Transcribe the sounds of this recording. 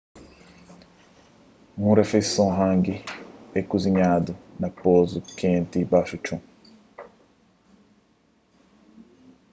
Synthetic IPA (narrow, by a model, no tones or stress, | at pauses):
ŋũɾefesɔ̃ɦãŋɡiekuziɲad̪unapozukɛ̃ːnt̪ibaʃut͡ʃũ